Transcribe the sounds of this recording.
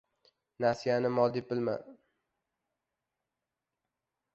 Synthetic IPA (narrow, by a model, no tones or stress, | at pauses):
nasijanɪmɒlˠd̪ibɪlma̰n